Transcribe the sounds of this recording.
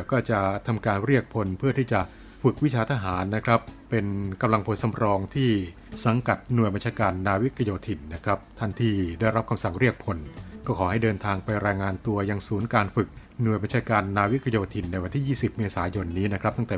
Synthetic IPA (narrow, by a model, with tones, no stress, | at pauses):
kɔː˥˩t͡ɕa˨˩t̪ʰa˧mkaː˧nɾi˥˩ək̚pʰo˧npʰɯ˥˩ɐt̪ʰiː˥˩t͡ɕa˨˩ʔ | fɯ˨˩k̚wi˦˥t͡ɕʰaː˧t̪ʰa˦˧ɦaː˩˦nːa˦˥kʰɾa˦˥pːe˧nka˧mla˧ŋpʰo˧nsa˧mɾɔː˧ŋt̪ʰiː˥˩ | sa˩˦ŋka˨˩t̪̚nu˨˩əjba˧nt͡ɕʰaː˧kaː˧nːaː˧wi˦˥kʰːa˧joː˧t̪ʰi˨˩nːa˦˥kʰɾa˦˥p̚t̪ʰa˥˩nt̪ʰiː˥˩da˥˩jɾa˦˥p̚kʰa˧msa˨˩ŋɾi˥˩ək̚pʰo˧nkɔː˥˩kʰɔː˩˦ɦa˥˩jdɤː˧nt̪ʰaː˧ŋpa˧jɾɛː˧jŋaː˧nt̪u˧ɐja˧ŋsuː˩˦nkaː˧nfɯ˨˩k̚ | nu˨˩əjba˧nt͡ɕʰaː˧kaː˧nːaː˧wi˦˥kʰa˧joː˧t̪ʰi˨˩nːa˧jwa˧nt̪ʰiː˥˩jiː˥˩si˨˩p̚meː˧saː˩˦jo˧nːiː˦˥na˦˥kʰɾ̚t̪a˥˩ŋt̪ɛː˨˩